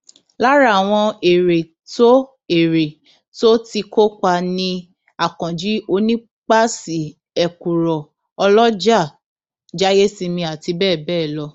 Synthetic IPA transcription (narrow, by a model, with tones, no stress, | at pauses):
la˦ɾa˦˨w̃ɔ̃˧e˨ɾe˨ | to˦ | e˨ɾe˨ | to˦ti˧ko˦k͡pa˧nĩ˧ | a˨kɔ̃˨d͡ʒi˨˦o˧nĩ˦ | k͡pa˦si˨˦ | ɛ˨ku˨ɾɔ˨ | ɔ˧lɔ˦d͡ʒa˦˨ | d͡ʒa˦je˦si˧mĩ˧a˨ti˧bɛː˦˨bɛː˦˨lɔ˧